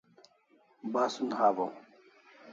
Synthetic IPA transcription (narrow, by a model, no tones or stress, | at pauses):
baːsunhaːvaw